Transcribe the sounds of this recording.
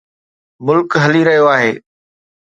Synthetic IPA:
mʊlkɦɐliɾɐɦijoaːɦeː

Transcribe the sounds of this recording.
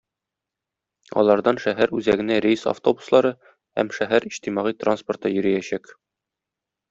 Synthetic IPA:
ɒ̰lˠɑɾd̪ɑnʃæɦæɾʉzæɡɘ̆næɾʲesa̰ft̪o̞bu̥slˠɑɾɤ | hæ̰mʃæɦæɾiɕt̪imɑʁit̪ransport̪ɤjɵ̆ɾɘ̆jæɕæk

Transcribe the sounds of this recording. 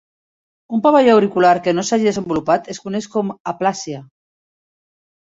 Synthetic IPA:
umpaβaʎoawɾikulaɾkenosaʒið̞ezembulupat̪eskuneʃkomaplasja

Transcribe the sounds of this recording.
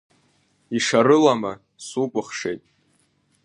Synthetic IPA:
iʂaɾɨlama | supʼɨχʂe̞jtʼ

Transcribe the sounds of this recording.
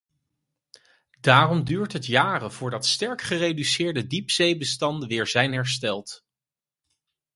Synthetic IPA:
daːrɔmdyːɹtɦətjaːrəv̥ʊːɹdɑtstɛɹkχərejdysɪːɹdədipsejbəstɑndəʋɪːɹzɛjnɦɛɹstɛlˠt

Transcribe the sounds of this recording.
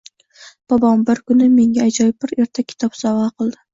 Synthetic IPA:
b̥ɒbɒmbɪɾkʰʊnɪme̞ŋɡʲaːd͡ʒɒjɪpbɪɾe̞ɾt̪ʰakʲʰɪ̥t̪ʰɒpsɒvaqʰɨlˠd̪ɪ

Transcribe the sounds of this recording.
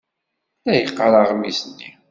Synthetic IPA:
læjəqːəɾˤɑʁmisənːḭ

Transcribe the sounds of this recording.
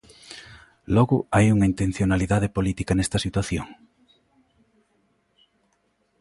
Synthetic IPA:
lɔɣʊajuŋɐint̪en̟θjonaliðaðepolit̪ikɐnɛst̪ɐsit̪waθjoŋ

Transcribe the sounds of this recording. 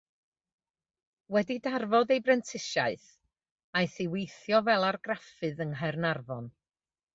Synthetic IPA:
wɛdidarvɔðejbrɛntʰɪʃaɨθ | ajθiwejθjɔvɛlˠarɡrafɨðənɦɛrnarvɔn

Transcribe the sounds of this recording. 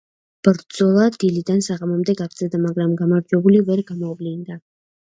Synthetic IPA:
b̥ɾd̪zɔlˠad̪ilid̪ansaʁamɔmd̪ɛɡaɡd̪zɛd̪amaɡɾamɡamaɾd͡ʒwɛbulivɛɾɡamɔvlind̪a

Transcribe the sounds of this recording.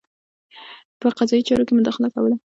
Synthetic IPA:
pəqazɑjit͡ʃɑɾokemʊd̪ɑxɪlakawəla

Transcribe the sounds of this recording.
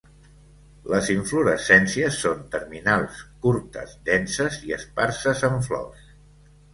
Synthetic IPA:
ləziɱfluɾəsɛnsiəsːont̪əɾminalˠskuɾt̪ə̰zd̪ɛnsəziəsparsəzəɱflɔ̰s

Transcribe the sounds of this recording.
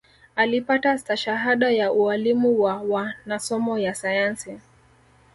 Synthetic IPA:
alipatataʃaɦaɗajaʔualimuwawanasɔmɔjasajansi

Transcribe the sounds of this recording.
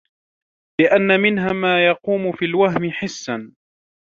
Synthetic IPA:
lɪʔanːamɪnɦaːmaːjɑquːmʊfiːlwaɦmɪħɪsːan

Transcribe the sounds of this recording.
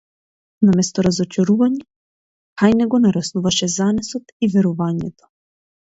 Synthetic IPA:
namɛst̪ɔɾazɔt͡ʃaɾuvaɲɛ | kajnɛɡɔnaɾasnuvaʃɛzanɛsɔt̪ivɛɾɔvaɲɛt̪ɔ̥

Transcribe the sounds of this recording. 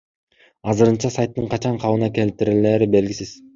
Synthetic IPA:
ɑzɯɾɯnt͡ʃɑsajt̪ːɯɴqʰɑt͡ʃɑɴqʰɑβɯnɑke̞lt̪iɾileːɾibe̞lɡʲisiz̥

